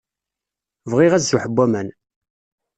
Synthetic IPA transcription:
vʁiʁæzːuħəbːæmæn

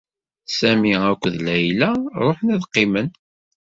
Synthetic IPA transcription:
sæmiækʷːəðlæjlæɾˤoħnæðqːɪmən

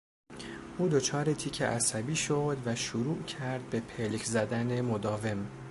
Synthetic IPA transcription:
ʔuːd̪o̞t͡ʃʰɒːɾet̪ʰiːcʰḛʔæsæbiːʃod̪væʃuɾuːʔcʰæɾd̪̚be̞pʰelcʰzæd̪æne̞mod̪ɒːve̞m

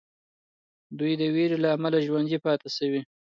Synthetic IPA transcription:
d̪ujd̪əweɾelaːmalaʒwanzipɑt̪asawi

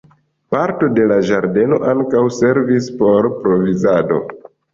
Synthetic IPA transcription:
paɾto̞de̞laʒaɾde̞no̞ʔaŋkawse̞ɾvispo̞ɾpɾo̞vizado̞̰

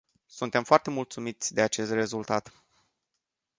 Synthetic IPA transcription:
sunt̪e̞mfoart̪e̞mult̪sumit̪sʲd̪e̞at͡ʃe̞st̪re̞zult̪at̪

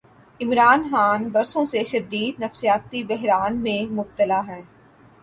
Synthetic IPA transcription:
ɪmɾaːnxaːnbɐɾsõseʃɐd̪iːd̪̚nɐfsijaːt̪ibɛɦɾaːnmẽmʊb̚t̪əlaɦɛː

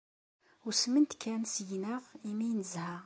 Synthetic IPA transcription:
ʊsmənt̪kʰːænsjnəʁimijnəzhæ

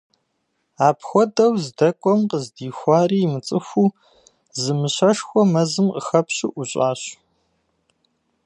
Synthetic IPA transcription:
aːpʰxʷɔdɐwzdɐkʷʼɔmqəzdiːxʷɑːriːmɨt͡sʼɨxʷuː | zɨmɨɕɐʂxʷɔmɐzɨmqəxɐpɕɪʔuɕʼaːɕ

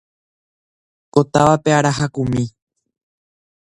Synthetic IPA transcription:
ko̞t̪aʋape̞aɾaɦakũmĩ

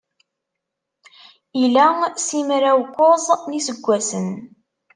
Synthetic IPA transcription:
ilæsimɾæwkʷːozˤnisəɡʷːæsən

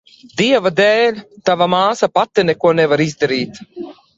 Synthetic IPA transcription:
d̪iɛvad̪ɛːlʲt̪avamaːsapat̪ːɛnɛkuɔnɛvaɾizd̪aɾiːt̪

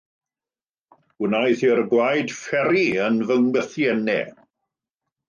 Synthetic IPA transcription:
ɡ̥ənajθirɡwajd̥fɛɾiənvəŋwəθjɛnɛ̰

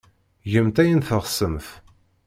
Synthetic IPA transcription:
ʝəmt̪æjənθəʁsəmθ

